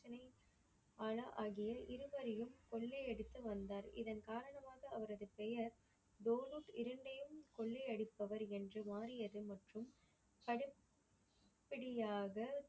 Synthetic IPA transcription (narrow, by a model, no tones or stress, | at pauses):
t͡ʃɐnɐɪ | aːɭɐʔaːɣɪjɐʔɪɾɯʋɐɾɐjɯmkɔɭːeɐɽɯt̪ːɯʋɐnd̪aːɾɪ̰ðɐnkaːɾɐɳɐmaːɣɐːʋɐɾɐðɯpɛjɐɾ | d̪oːluːʈɪɾɐɳɖɐjɯmkɔɭːɛɐɽɪpːɐʋɐɾɛndrɯmaːrɪjɐðɯmɐʈrɯm | pɐɽɪp | pːɐɽɪjaːɣɐ